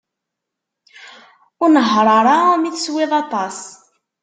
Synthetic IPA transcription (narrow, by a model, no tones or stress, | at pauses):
ʊɾnəɦɾˤɑɾˤɑmiθswɪðˤɑt̪ˤɑs